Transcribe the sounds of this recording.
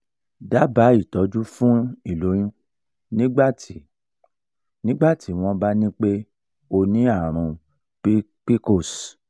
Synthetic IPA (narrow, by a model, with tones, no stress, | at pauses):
da˨˦ba˨˦i˦˨tɔ˨˦d͡ʒu˦fũ˦i˦˨lo˨˦j̃ũ˦ | nĩ˦ɡ͡ba˦˨ti˨ | nĩ˦ɡ͡ba˦˨tʰi˨˦w̃ɔ̃˧ba˦nĩ˦k͡pe˦ | o˧nĩ˦a˦˨ɾ̃ũ˧ | pi˦ | k͡pi˦ko˦˨s